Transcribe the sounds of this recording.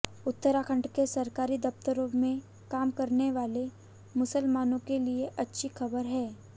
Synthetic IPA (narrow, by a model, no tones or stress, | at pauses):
ʊt̪ːəɾakʰə̃ɳʈkesɐɾkaːɾid̪ɐp̚t̪əɾõmẽ | kaːmkɐɾneʋaːle | mʊsəlmaːnõkelieʔɐtːʃʰixɐbəɾɦɛː